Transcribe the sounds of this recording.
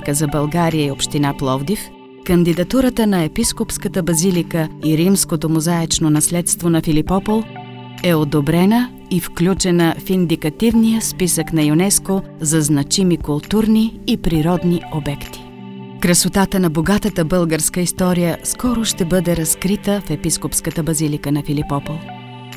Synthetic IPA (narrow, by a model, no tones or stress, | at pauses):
kəzɐbɐlˠɡaɾijəiopʃt̪inaplˠɔvd̪if | kɐnd̪id̪ɐt̪uɾət̪ənɐɛpiskopskət̪əbɐzilikəiɾimskot̪omozaɛt͡ʃnonɐslɛt̪st̪vonɐfilipɔpolˠ | ɛod̪obɾɛnə | ifklʲut͡ʃɛnəfind̪ikɐt̪ivnijəspisəknɐjunɛsko | zɐznɐt͡ʃimikʊlˠt̪uɾniːpɾiɾɔd̪niobɛkt̪i̥ | kɾɐsot̪at̪ənɐboɡat̪ət̪əbɤlˠɡəɾskəist̪ɔɾijəskɔɾoʃt̪ɛbɤd̪ɛɾɐskɾit̪əfɛpiskopskət̪əbɐzilikənɐfilipɔpolˠ